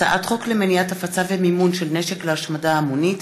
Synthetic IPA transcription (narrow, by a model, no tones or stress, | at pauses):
aʔat̪χo̞klemeniatafat͡savemimunʃelneʃekleaʃmadaːmunit